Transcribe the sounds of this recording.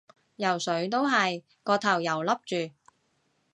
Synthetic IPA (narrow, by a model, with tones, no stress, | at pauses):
jɐ˨˩wsɵ˨˥ɥt̪̬o˥wɦɐ˨j | kɔː˧t̪ʰɐ˨˩wjɐ˨˩wlɐ˥p̚t͡ʃyː˨˩